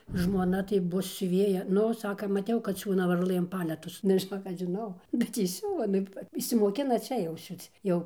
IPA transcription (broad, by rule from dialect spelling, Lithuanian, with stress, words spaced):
ʒmoːˈnɐ tɐɪ ˈbʊs sʲʊˈʋʲeːjɛ ˈnʊ ˈsɑːkɐ mɐˈtʲɛʊ kɐt ˈsʲuːnɐ ʋɐrˈlˠɘm ˈpɑːlʲɛtʊs nʊ ʒʲɪˈnoːk ˈɐʃ ʒʲɪˈnɐʊ bʲɛt ˈjɪ ˈsʲʊʋɐ ˈnʊ ɪʃʲsʲɪmoːˈkʲɪnɐ ˈt͡ʃʲɛ jɛʊ ˈsʲuːt͡s ˈjɛʊ